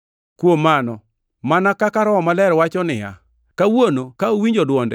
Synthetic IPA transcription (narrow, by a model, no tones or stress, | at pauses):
kwomanɔ | manakakaɾɔɔmalɛɾwat͡ʃɔnɪja̰ | kawonokaowiɲd͡ʒodwɔndɛ